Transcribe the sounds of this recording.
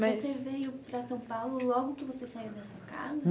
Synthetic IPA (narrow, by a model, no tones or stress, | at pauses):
mɐvosevejʊpɾɐsɐ̃w̃pawlʊlɔɡʊkɪvosesaiwd̪ɐsuɐka̰zɐ